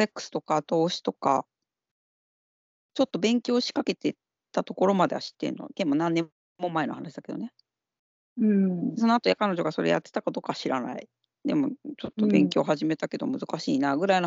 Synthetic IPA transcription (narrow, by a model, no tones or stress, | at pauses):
ekːɯ̥sɨ̥t̪o̞kat̪o̞ːɕi̥t̪o̞ka | t͡ɕo̞t̪ːo̞bẽ̞ŋkʲo̞ːɕi̥kake̞t̪e̞ | t̪at̪o̞ko̞ɾo̞mad̪e̞βa̰ɕi̥t̪ːẽ̞̰nːo̰kemːonãnːẽ̞ | mːo̞mae̞nohanaɕid̪ake̞d̪one | ɯ̟̃so̞no̞at̪ojakano̞ʑo̞ɡaso̞ɾe̞̰ja̰t̪ːe̞̥t̪akad̪o̞ːkaɕiɾa̰na̰ḭ | d̪e̞̰mo̞t͡ɕo̞t̪ːo̞bẽ̞ŋkʲo̞ːɦaʑime̞t̪ake̞d̪o̞̰mɯ̟zɨkaɕiːnaːɡɯ̟ɾaino